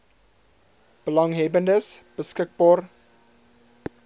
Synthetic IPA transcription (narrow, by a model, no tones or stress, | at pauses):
b̥əlɑŋɦɛbəndəsb̥əskək̚bɑːr